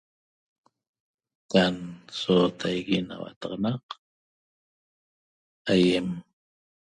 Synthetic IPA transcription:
kansot̪ʰajɣina̰wa̰t̪ɑqɑnɑq | ajem

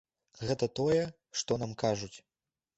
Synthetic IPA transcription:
ɣɛt̪ɐt̪ɔjɛ | ʂt̪ɔnamkaʐut͡sʲ

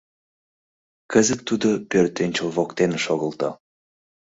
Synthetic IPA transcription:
kəzət̪ːud̪opørt̪enʲt͡ɕolβokt̪enʃoɣəlt̪ɑ̰

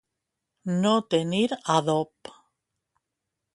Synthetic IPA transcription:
not̪eniɾaðop

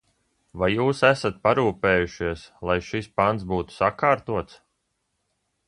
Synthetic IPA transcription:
vajːuːsæsat̪̚paɾuːpeːjuʃiɛslˠajʃispant̪sbuːt̪u̥sakaːɾt̪uɔt̪s

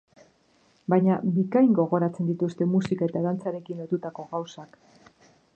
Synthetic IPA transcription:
bajɲabikajŋɡo̞ɣo̞ɾat͡se̞nd̪it̪ust̪e̞musikae̞t̪aðant͡saɾe̞kinot̪ut̪ako̞ɣawsak

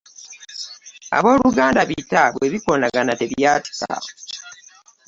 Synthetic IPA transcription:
a̰βo̞ːluɡaːndaβitaβwe̞βikoːnaɡanate̞βjjaːti̥sa̰o

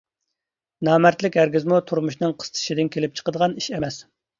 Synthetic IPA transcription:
nɑːmæɾt̪lɪkʲæɾɡʲizmut̪ʰuɾmuʃnɨŋqʰə̥st̪ʰɨ̥ʃid̪ɪnkʲʰelɪp̚t͡ʃʰə̥qəd̪əʁɑniʃemɛs

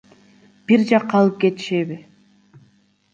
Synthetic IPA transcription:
b̥iɾd͡ʒɑqːɑlˠɯp̚ɡe̞t̪i̥ʃeβi

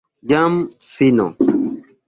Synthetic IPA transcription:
jam | finɔ̰

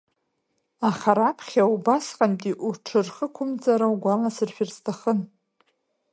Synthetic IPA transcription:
aχaɾapʰχʲaubasqʼantʼiʔuʈ͡ʂʰɨrχəkʷʰʊmd͡zʼaɾawuɡʷalasɨrʃᶣirstʰaχən

